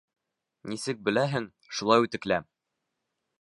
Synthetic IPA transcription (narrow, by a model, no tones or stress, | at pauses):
nisɘk̚bɘ̆læɦɘŋ | ʃulˠɑjʉt̪ɘ̆klæm